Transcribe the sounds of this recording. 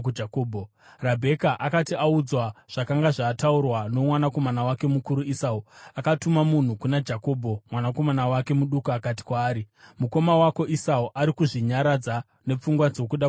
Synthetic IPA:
ud͡ʒakoːbʱo | rabʱe̞kaʔakatiaud͡zwaʐ̥akaŋɡaʐaːtaurwano̞mwanako̞manawake̞mukuɾuisauakatumamun̤ukunad͡ʒako̞ːbʱo̞mwanako̞manawake̞muɗukuakati̥kwaːɾi | muko̞mawako̞ʔisauʔaɾikuʐiɲaɾad͡za | ne̞p͡fuŋɡwad͡zo̞kuɗa

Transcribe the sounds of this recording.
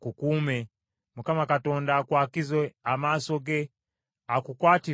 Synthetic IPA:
kukumɛ | mukamakatɔndakwakizwɛamasɔɡɛ | akukwati

